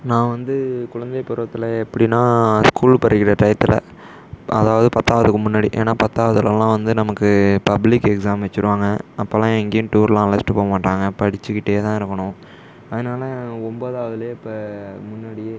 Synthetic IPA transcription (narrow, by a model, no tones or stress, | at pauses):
nãːʋɐnd̪ɯkʊɻɐnd̪ɐpʊɾɯʋɐt̪ːɪlɐɛpːɐɽinãːskuːlpɐɾːɯɣɪɾɐʈɐjt̪ːɪlɐ̰ | ʔɐ̰ðaːʋɐðɯpɐt̪ːaːʋɐðɯkːɯmʊnːaːɽiʔḛːnːaːpɐt̪ːaːʋɐðɪlɐlãːʋɐnd̪ɯnɐmɐkːɯpɐblɪkːɛksaːmʋɛt͡ʃːɯɾɯʋaːŋɡɐɐpːɐːlãːɛŋɡɐjʊ̃ʈuːɾlãːlɐsʈɯpoːmaːʈːaːŋɡɐpɐɽɪt͡ʃːɯkɪʈːejeːt̪ãːɪɾɯkːɐɳʊ̃ | ɐðɯnaːlɐɔmboːðaːʋɐðɪleːɪpːɐmʊnːaːɽɪjeː